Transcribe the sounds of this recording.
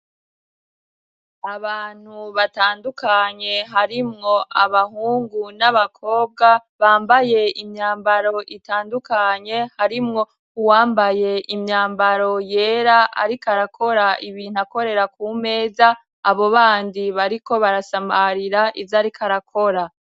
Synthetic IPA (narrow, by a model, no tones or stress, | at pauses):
aβaːn̥huβataːndukaɲe̞ɦaɾimŋo̞aβaɦuːŋɡunaβakʰo̞ːb̚ɡaβaːmbaje̞imɲaːmbaɾo̞ʔitaːndukaɲe̞haɾimŋo̞ | uwaːmbaje̞ʔimɲaːmbaɾo̞je̞ːɾaʔa̰ɾikaɾakʰo̞ɾaʔiβiːn̥ako̞ɾe̞ɾakume̞ːzaː | βo̞βaːndiβaɾiko̞βaɾasamaɾiɾaʔizaɾikʰaɾakʰo̞ɾa